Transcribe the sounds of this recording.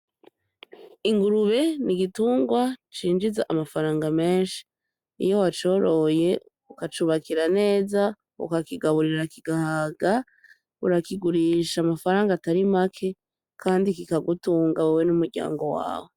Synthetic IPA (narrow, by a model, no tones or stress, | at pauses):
iŋɡuɾuβe̞niɡituːŋɡwat͡ʃiːnd͡ʒizaʔamafaɾaːŋɡame̞ːnʃi̥ | ḭjo̞wat͡ʃo̞ɾo̞je̞ | ukat͡ʃuβakiɾane̞ːza | ṵkakiɡaβuɾiɾakiɡahaɡa | ṵɾakiɡuɾiʃamafaɾaːŋɡataɾimakʰe̞ | kʰaːndikikaɡutuːŋɡawuwenumuɾɟa̰ːŋɡo̞wa̰ːwo̞